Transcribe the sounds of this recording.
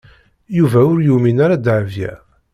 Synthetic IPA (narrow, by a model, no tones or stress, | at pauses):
juvæʊɾjuminaɾad̪ʕəvjæ̰